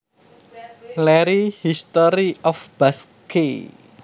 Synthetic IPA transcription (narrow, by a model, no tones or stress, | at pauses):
lɛɾihist̪ɔɾiɔfb̥askʰe